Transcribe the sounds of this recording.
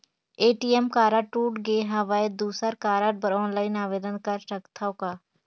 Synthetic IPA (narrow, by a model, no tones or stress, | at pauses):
eːʈiemkaːɾaʈuːʈɡeɦɐʋaːed̪uːsəɾkaːɾaːʈ̚bəɾɔːnlaːɪnaːʋeːd̪ənkɐɾʃɐkt̪ʰaokaː